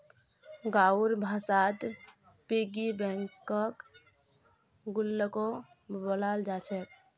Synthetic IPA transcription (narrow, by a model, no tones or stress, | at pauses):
ɡauɾbʱasaːt̪ | piɡibɛ̃ŋkːək | ɡʊlːəko | bəlald͡ʒat͡ʃʰɛt̪